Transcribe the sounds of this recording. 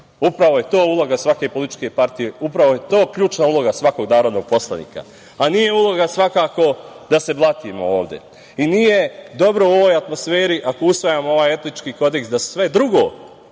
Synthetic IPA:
upɾaʋo̞je̞t̪o̞ːulˠo̞ɡasʋake̞po̞lit̪i̥t͡ʃke̞paɾt̪ije̞upɾaʋo̞je̞t̪o̞ːkʎʲuːt͡ʃnaulˠo̞ɡasʋako̞ɡnaːɾod̪no̞ɡ̥̚po̞slˠanḭːka̰ | aniːje̞ulˠo̞ɡasʋakaːko̞d̪ase̞blˠat̪iːmo̞̰oːʋd̪je̞̰ | iniːje̞d̪o̞bɾo̞uo̞ʋoːjat̪mo̞sfe̞ːɾiʔako̞usʋajaːmoo̞ʋaːje̞t̪nit͡ʃkiːko̞d̪e̞ksd̪asʋe̞d̪ɾuɡo̞̰ː

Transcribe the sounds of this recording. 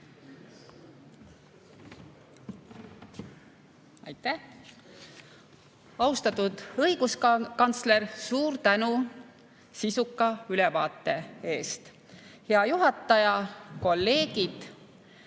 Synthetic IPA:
ɑ̰jt̪ˑːæh | ɑust̪ɑt̪ud̪̥ɤiɡ̥uskkɑnt̪sle̞rsuːɾt̪ænu | sisukːˑɑylɛvɑːt̪ːˑe̞e̞ːst̪ | heɑjuɦɑt̪ːˑɑjɑko̞lːe̞ːɡ̥id̪̥

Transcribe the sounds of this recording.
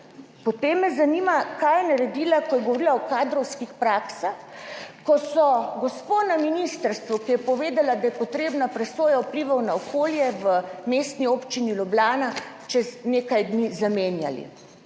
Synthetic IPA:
pɔt̪eːmːɛzanimakajɛnaɾɛd̪iːlakɔjɛɡɔʋɔɾilaɔkaːd̪ɾɔwskixpɾaːksaxkɔsɔɡɔsponaminist̪əɾst̪ʋukijɛpɔʋeːd̪alad̪ajɛpɔt̪ɾeːbnapɾɛsoːjaupliʋawnaɔkoːljɛʋəmest̪niopt͡ʃinilɔblaːna | t͡ʃɛzneːkajd̪nizameːnjalḭ

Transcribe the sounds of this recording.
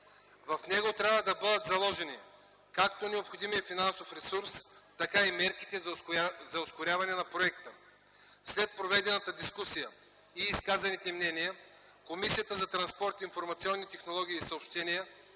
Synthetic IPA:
vɐfnɛɡot̪ɾʲavəd̪ɐbɤd̪ət̪zɐlˠɔʒɛni | kakt̪onɛopxod̪imiɛfinansofɾɛsuɾst̪ɐkaimɛɾki̥t̪ɛzɐoskʊɾʲavɐnɛnɐpɾoɛk̚t̪ə | slɛt̪̚pɾovɛd̪ɛnət̪əd̪iskusijə | iːskazɐnit̪ɛmnɛnijə | komisijət̪əzɐt̪ɾɐnspɔɾt̪iːnfoɾmɐt̪siɔnːit̪ɛxnolˠɔɡ̟ʲiːsɐopʃt̪ɛniə

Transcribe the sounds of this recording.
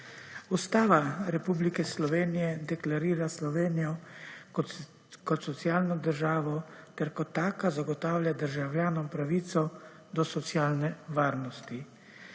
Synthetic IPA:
ust̪aːʋaɾɛpublikɛslɔʋeːnijɛd̪ɛklaɾiːɾaslɔʋeːnijɔ | kɔt̪sɔt̪sjaːlnɔd̪əɾʒaːʋɔt̪ɛɾkɔt̪ːaːkazaɡɔt̪aːwljad̪əɾʒawljaːnɔmpɾaʋiːt̪sɔ | d̪ɔsɔt̪sjaːlnɛʋaːɾnɔst̪i

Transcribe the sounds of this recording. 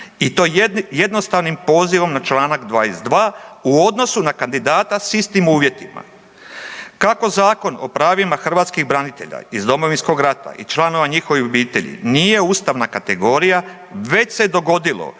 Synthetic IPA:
it̪o̞ːje̞d̪no̞st̪aʋnimpo̞ziʋo̞mnat͡ʃlˠaːnaɡd̪ʋaːjesd̪ʋaːuo̞d̪no̞sunakand̪id̪aːt̪asist̪imuːʋje̞t̪ima̰ | kako̞zaːko̞no̞̰pɾaːʋimaxr̩ʋaːt̪skiɣbɾanit̪e̞ʎa̰izd̪o̞mo̞ʋinsko̞ɡɾat̪a̰ḭt͡ʃlˠano̞ʋaɲixo̞ʋiobiːt̪e̞ʎḭnije̞uːst̪aʋnakat̪e̞ɡo̞ːɾija | ʋe̞t͡ɕse̞d̪o̞ɡo̞d̪ilo̰

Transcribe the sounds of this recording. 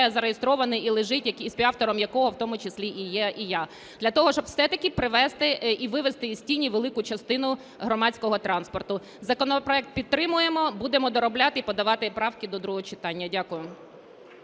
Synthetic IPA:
ɛzɐɾejest̪ɾɔʋɐnɪilˠɪʒɪtʲjɐkisʲpʲiɑft̪ɔɾɔmjɐkɔɦɔwt̪ɔmʊt͡ʃɪsʲlʲiʔijɛija | d̪lʲɐt̪ɔɦɔʃt͡ʃɔbwsɛt̪ɐkʲipɾɪʋɛst̪ɪiʋɪʋest̪ɪsʲtʲinʲːiʋelˠɪkʊt͡ʃɐst̪ɪnʊ | ɦɾɔmɑt͡sʲkɔɦɔt̪ɾɑnspɔrt̪ʊ | zɐkɔnɔpɾɔɛk̚t̪̚pʲid̪̚t̪ːɾɪmʊjemɔbud̪emɔd̪ɔɾɔblʲɑt̪ɪipɔd̪ɐʋɑt̪ɪpɾɑwkʲɪd̪ɔd̪ɾuɦɔt͡ʃɪt̪ɑnʲːɐdʲakʊjʊ

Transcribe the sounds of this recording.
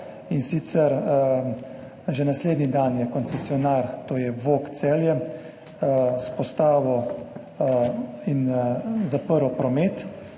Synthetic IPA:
insit̪sɛɾ | ʒɛnasleːd̪nid̪anjɛkɔnt̪sɛsiɔnaɾt̪oːjɛʋoːkt̪sɛːljɛ | spɔst̪aːʋɔ | inzapəɾɔpɾɔmeːt̪

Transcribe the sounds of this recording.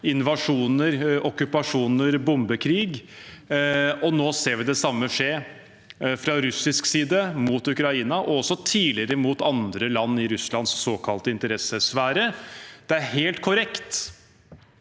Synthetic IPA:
ɪnʋɑʂuːnəɾɔkʉpɑʂuːnəɾbʊmbəkʰɾiːɡ | ɔnoːseːɾʋɪd̪ɛsɑmːəʂeː | fɾɑɾʉsɪsksiːd̪əmut̪ʉkɾɑiːnɑʔɔɔsːɔt̪ʰiːlɪɾəmuːt̪ɑnd̪ɾəlɑnːɪɾʉslɑnsːoːkʰɑlt̪əɪnt̪əɾɛsəsʋæːɾəd̪̥ɛæɾɦeːlt̪kʰʊɾɛkt̪

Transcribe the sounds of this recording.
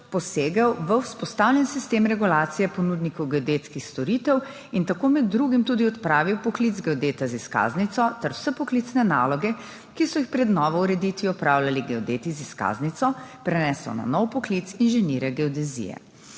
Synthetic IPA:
pɔseːɡəwʋəwspɔst̪aːwljɛnsist̪eːmɾɛɡulaːt̪sijɛpɔnuːd̪nikɔwɡɛɔd̪eːt̪skixst̪ɔɾiːt̪ɛw | int̪akoːmɛd̪ːɾuːɡimt̪uːd̪iɔt̪pɾaːʋiwpɔklid̪zɡɛɔd̪eːt̪aziska̰ːznit̪sɔt̪ɛɾwsɛpɔkliːt̪snɛna̰ːlɔɡɛ | kisɔjixpɾɛd̪nɔːʋɔuɾɛd̪it̪ʋiɔpɾaːwlaliɡɛɔd̪eːt̪iziska̰ːznit̪sɔpɾɛnɛːsɔ̰na̰nɔwpɔkliːt̪sinʒɛniːɾɛɡɛɔd̪ɛzḭjɛ̰

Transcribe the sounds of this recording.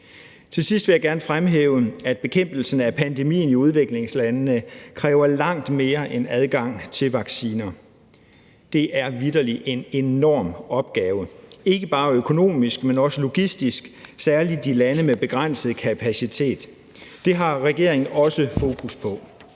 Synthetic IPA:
t͡sʰe̝sisd̥ʋe̝jäɡæɐnfʁamɦeːʊəæd̥̚b̥e̝kʰem̰b̥l̩sn̩æpʰænd̥e̝mḭːn̩iuð̞ˠʋe̝ɡ̥le̝ŋslænːəkʰʁɛːʊɐlɑ̈ŋ̰d̥me̝ːɐʔenæð̞ˠɡ̥ɑ̈ŋ̰t͡sʰe̝lʋɑ̈ɡ̥siːnɐ | d̥e̝ʔæɐʋidɐliʔe̝ne̝nɒ̰ːmɒ̽b̥̚ɡ̥ɛːʊəe̝ɡ̥əb̥ɑ̈ːøkʰo̝no̝̰ːmisɡ̥menɒ̽səlo̝ɡ̥isd̥isɡ̥sæɐlid̥ilænəmeb̥e̝ɡ̥ʁan̰səð̩ˠkʰæpʰæsit͡sʰe̝̰ːd̥ː | e̝ɦɑ̈ʁɛɡ̥e̝̰ɐ̰e̝ŋn̩ɒ̽səfo̝ːkʰuspʰɒ̽

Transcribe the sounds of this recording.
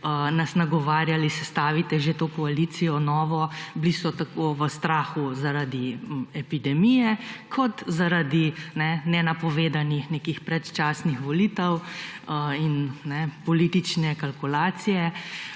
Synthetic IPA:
ənasnaɡɔʋaːɾjalisɛst̪aːʋit̪ɛʒet̪oːkɔaliːt̪sijɔnɔːʋɔblisɔt̪akoːʋəst̪ɾaːxuzaɾad̪iɛpid̪ɛmijɛkʰɔt̪zaɾad̪inɛnɛnapɔʋeːd̪anixnekixpɾɛt̪t͡ʃaːsnixʋɔliːt̪ɛw | innɛpɔliːt̪it͡ʃnɛkalkulaːt̪sijɛ

